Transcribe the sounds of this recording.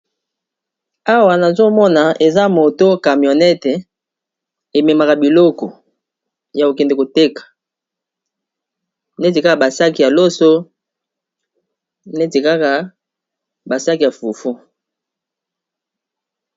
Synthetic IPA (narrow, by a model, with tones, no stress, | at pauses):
a˦wa˨na˨zo˦mɔ˦na˨e˨za˦mo˨to˦ka˨mjo˨nɛ˦tɛ˨ | e˨me˨ma˨ka˨bi˨lɔ˦kɔ˨ | ja˨o˨kɛ˨nde˨ko˨te˦kḁ˨ | n˦e˦t̬i˨ka˦ka˨ba˨sa˦ki˨ja˨lo˦so˦ | e˦ti˨ka˦ka˨ | ba˨sa˦ki˨ja˨fu˨fu˦